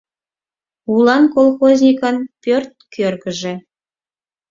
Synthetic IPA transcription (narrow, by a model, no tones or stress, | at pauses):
ulˠɑnkolˠxozʲnʲikənpʲørt̪̚kʰørɣə̆ʒĕ